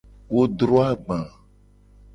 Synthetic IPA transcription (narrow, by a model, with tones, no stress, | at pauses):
wo˦dɾɔ˦a˦ɡ͡bã˨